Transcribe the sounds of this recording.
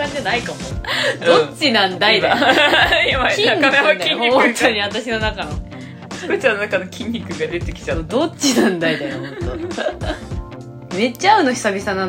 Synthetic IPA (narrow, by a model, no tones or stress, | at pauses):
ãɲd͡ʑanaikamod̪õt͡ɕinãnd̪ait̪a | jamaiaɲanaak̪ʲĩɲmoõnt̪ʰoɲ̟iat̪aɕino̞nakano | sɨ̥kɯt͡ɕanːonakano̞kʲʰĩɲʲːikɯ̟ɡad̪e̞t̪ekʲi̥t͡ɕanod̪ot͡ɕinãnd̪amit̪anamt̪ːo | me̞t͡ɕːaːɯ̟noçi̥sabʲisanãn